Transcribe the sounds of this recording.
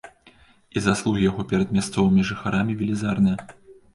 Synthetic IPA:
izaslˠuɣʲijaɣɔpʲɛɾɐd̪̚mʲast̪sɔvɨmʲiʐɨxaɾʔamʲivʲilʲizarnɨjɐ

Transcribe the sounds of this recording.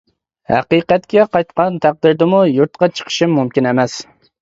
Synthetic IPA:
hæ̰qiqæt̪kʲʰɛqʰɑjt̪qʰɑnt̪ʰæq̚d̪ɪɾd̪ɪmujuɾt̪qʰɑt͡ʃʰə̥qʰə̥ʃimːumkʲinemɛs

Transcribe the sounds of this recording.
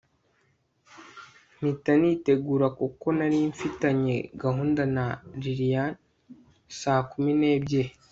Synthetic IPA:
mitaniːte̞ɡuːɾakuko̞naɾiɱfitaɲe̞ɡaɦuːndanaɾiɾijan | saːkumine̞ːbɟe̞

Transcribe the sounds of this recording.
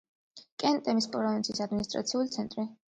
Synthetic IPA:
kʼɛnt̪ʼɛmispʼɔɾɔvint̪sʰisad̪minist̪ʼɾa̰t̪sʰiulit̪sʰɛnt̪ʼɾi

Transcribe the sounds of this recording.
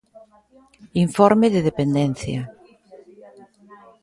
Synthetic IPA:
iɱfɔɾmeðeð̞epend̪en̟θja̰

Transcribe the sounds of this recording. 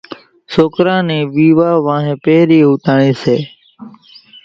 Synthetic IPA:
soːkɾãːnẽːʋiːʋaːʋãːɦẽːpeːɾiːɦuːt̪aːɳĩːseː

